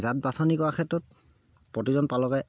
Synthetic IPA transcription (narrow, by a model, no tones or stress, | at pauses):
zat̚basɔnikɔɹakʰɛtɔt̚ | pɹɔtizɔnpalɔkaj